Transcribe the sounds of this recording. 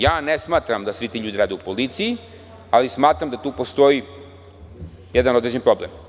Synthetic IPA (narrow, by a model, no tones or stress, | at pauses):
jaːnesmaːt̪ɾamd̪asʋit̪iːʎuːd̪iɾaːd̪eupolit̪siji | alismaːt̪ɾamd̪at̪uːpo̞st̪o̞ji | jed̪ano̞d̪ɾed͡ʑenpɾo̞blem